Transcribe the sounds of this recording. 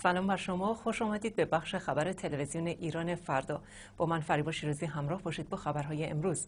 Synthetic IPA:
sælɒːmbæɾʃo̞mɒxoʃɒːmæd̪iːd̪̚be̞bæxʃe̞xæbæɾet̪ʰe̞levezijoneʔiːɾɒːne̞fæɾd̪ɒː | b̥ɒːmænfæɾiːbɒːʃiːɾɒziːɦæmɾɒːhbɒːʃiːd̪̚bɒːxæbæɾɦɒːjeḛmɾuz̥

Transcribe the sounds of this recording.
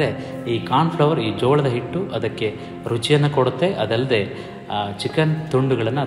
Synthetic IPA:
eiːkaːnpʰɭɐʋɐɾiːd͡ʒoːɭɐd̪ɐɦiʈːuʔɐd̪ɐkːe̞ | ɾut͡ʃijɐnːɐkoɽut̪ːe̞ʔɐd̪ɐlːɐd̪e̞ː | t͡ʃikɐnt̪uɳɖuɡɐɭɐnːu

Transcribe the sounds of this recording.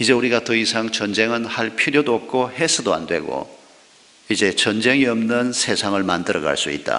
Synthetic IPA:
id͡ʑe̞uɾiɡatɯisʰaŋt͡ɕʌnd͡ʑe̞ŋɯnhaɭpʰiɾjodoʌp̚k͈ʰohe̞sʰɯdoa̰ndwe̞ɡo̰ | id͡ʑe̞t͡ɕʌnd͡ʑe̞ŋiʌmnɯnsʰe̞sʰaŋɯɭmandɯɾʌɡa̰ɭs͈uḭt̚t͈a̰

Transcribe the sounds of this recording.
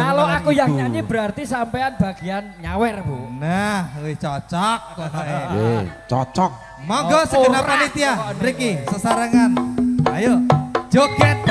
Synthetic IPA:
kaloakujaŋɲaɲibəɾart̪isampejanb̥a̤ɡ̥ianɲawɛrbonahɪht͡ʃɔt͡ʃɔk̚ | t͡ʃɔt͡ʃɔk̚ | mɔɡɔsəɡnaanit̪iaɾikisəsəɾəŋanajod͡ʒoɡɛt̪̚

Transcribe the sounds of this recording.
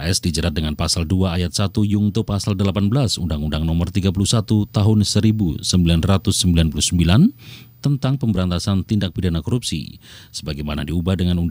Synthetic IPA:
ɛsdid͡ʒəɾat̪̚dəŋanpasalduaːjat̪̚sat̪ujuŋt̪opasaldəlapanbəlasundaŋundaŋnɔmərt̪iɡap̬ulusat̪ut̪aɦʊnsəɾibusəmbilanrat̪ʊsːəmbilanpulusəmbilan | t̪ənt̪aŋpəmbəɾant̪asant̪indak̚pidanakɔɾupsḭsə̥baɡajmana̰diubahdəŋanun

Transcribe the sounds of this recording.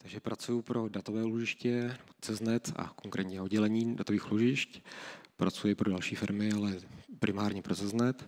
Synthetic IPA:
t̪aɡʒɛpɾat͡sujʊpɾo̞dat̪ovɛːuloʒɪʃcɛnɛbo̞t͡sɛznɛt̪a̰ko̞ŋkɾʔɛːt̪ɲɛodɟɛlɛɲiːdat̪oviːxloʒɪʃcpɾʔat͡sujɛpɾodalʃiːfɪɾmɪalɛpɾʔɪmaːɾɲɛpɾozɛznɛt̪

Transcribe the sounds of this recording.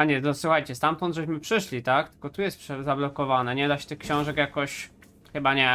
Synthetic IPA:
aɲɛt̪ɔswuxajt͡ɕɛst̪amt̪ɔnd̪ʐɛɕmɘpʂɘʂlʲit̪ak̚t̪ɘ̥kɔt̪ujɛst̪pʂɛzablɔkɔvanɛɲɛd̪aɕɛ̥t̪ɘxkɕɔ̃w̃ʐɛkjakɔɕ | xɘbaɲɛ

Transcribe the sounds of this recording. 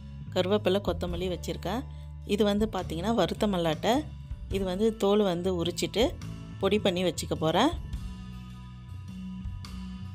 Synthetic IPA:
kɐɾɯʋɐpːɪlːɐkɔt̪ːɐmɐlːiʋɐt͡ʃːɪɾɯkːãː | ɪðɯʋɐnd̪ɯpaːɾt̪iŋɡɐnːaːʋɐɾɯt̪ːɐmɐlːaːʈːɐ | ɪðɯʋɐnd̪ɯt̪oːlʋɐnd̪ɯʊɾɯt͡ʃːɪʈːɯ | pɔɽipɐɳːiʋɐt͡ʃːɯkːɐpoːɾẽː

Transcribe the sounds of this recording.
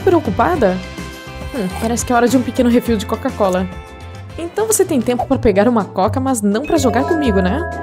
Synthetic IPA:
pɾeokupad̪ɐ̃ | paɾɛsɪ̥kɪɛaɔɾɐd͡ʒɪũpɪkẽnʊɦefiwd͡ʒɪkokakɔlɐ | ẽt̪ɐ̃w̃voset̪ẽj̃t̪ẽmpʊ̥pɾɐpeɡaɾũmɐkɔkɐmɐznɐ̃w̃pɾɐʒoɡaɾkõmiɡʊnɛ

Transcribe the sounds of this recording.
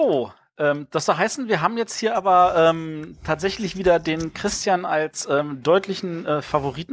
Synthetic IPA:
oː | ʔɛːmd̥asz̥oɦaɪsn̩viːɐɦaːbm̩jɛt͡sthiːɐʔaːbɐʔɛːmtʰaːtz̥ɛçlɪçv̥iːdɐdeːnkʁ̥ɪstjanalsʔɛːmd̥ɔʏtʰlɪçn̩ʔɛːfavoʁiːtn̩

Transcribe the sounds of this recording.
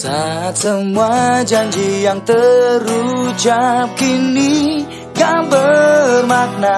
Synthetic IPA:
sasəmuad͡ʒaɲd͡ʒijaŋt̪ərud͡ʒap̚kini | ɡabərmak̚na

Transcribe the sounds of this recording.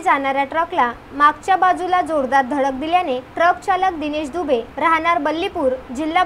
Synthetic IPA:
d͡zaɽ̃aɾjaʈɾəkla | makt͡ɕjabad͡zulad͡zoɾd̪aɾd̪ʱəɭək̚d̪iljaneʈɾək̚t͡ɕaləkd̪ineɕd̪ubeɾaɦɳ̃aɾbəlːipuːɾd͡ʑilːa

